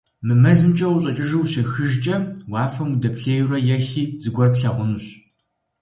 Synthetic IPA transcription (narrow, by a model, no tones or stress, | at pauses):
mɨmɐzɨmt͡ʃʼɐwuɕʼɐt͡ʃʼɪʒɨwʃɐxɨʒt͡ʃʼɐwɑaːfɐmudɐpɬeːjrɐjɛxiːzɨɡʷɔrpɬɐʁʷʊnuɕ